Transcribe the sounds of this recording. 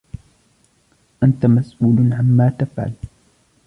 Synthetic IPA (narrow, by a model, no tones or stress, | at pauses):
ʔant̪amasʔuːlʕamːaːt̪afʕa̰l